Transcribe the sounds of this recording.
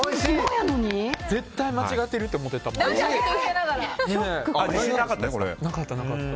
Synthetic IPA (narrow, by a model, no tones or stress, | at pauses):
ojanoɲ̟id͡ze̞t̪ːaimat͡ɕiɡat̪ːeɾɯ̟t̪ːeomo̞t̪ːet̪a | enaɡaɾaeeaisenakat̪ːakoɾḛnakat̪ːanakat̪ː